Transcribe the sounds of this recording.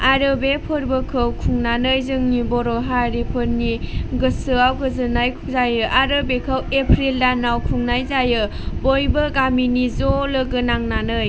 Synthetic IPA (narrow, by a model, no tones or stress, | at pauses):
aɾɯbepʰɯɾbɯkʰɯwkʰuŋnanɯjzɯŋnibɔɾɔɦaɾipʰɯɾniɡɯsɯawkʰɯzɯnajkʰu̥zajɯʔaɾɯbekʰəwepʰɾildanawkʰuŋnajzajɯ | bojbɯɡaminizolɯɡɯnaŋnanɯj